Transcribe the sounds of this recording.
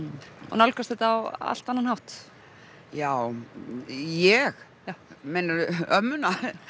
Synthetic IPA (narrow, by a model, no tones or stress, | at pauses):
ɔ̰nalkast̪θɛt̪aːwa̰l̥t̪anːanhawht̪ | jaːw | jɛx | jamɛnaɾœmːʏna